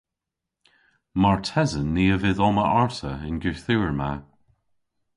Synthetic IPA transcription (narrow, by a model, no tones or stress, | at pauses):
maɹtʰɛzənːiːəvɪðɔməʔaɹtəɪnɡʉːθuːəɹma